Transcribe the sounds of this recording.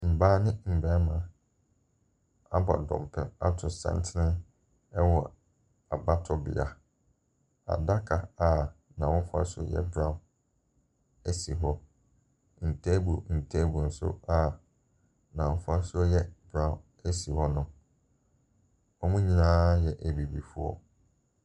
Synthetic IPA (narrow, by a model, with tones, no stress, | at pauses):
m̩˨baː˦nɪ̃˦m̩˨bɛ˦mã˨ | a˦bɔ̰˨dɔ̰̃˨m˨pʰɛ˨a˦tʰʊ˨sã̰˨n˦tʰɪ˦nɪ̃˦ | ɛ˦wɔ˨ | a˨ba˦tʰɔ˦bɪ̰˨a˨ | a̰˨da˦kʰa˨a˨ | nã˨wɔ̃˦fa̰˦sʊ˦ɔ̰˦jɛ̰˦bɾã˨ | æ˦si˨ɦɔ˦ | n̩˨tʰɛ˦bu˨n̩˨tʰɛ˦bu˨n̩˨sʊ̰˦a˨ | nã˨wɔ˦fa˦sʊ˦ɔ˦jɛ˦bɾã˨ | æ˦si˨hɔ˦nʊ̃˦ | ɔ˦mũ˦ɲĩ˨nãː˦jɛ˨ʔæ˨bi˨bi˨fu˦ɔ̰˦